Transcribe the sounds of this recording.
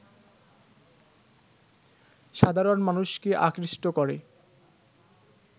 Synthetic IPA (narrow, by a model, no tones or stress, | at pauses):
ʃad̪ʱaɾonmanuʃkeʔa̰kɾiʃʈokoɾḛ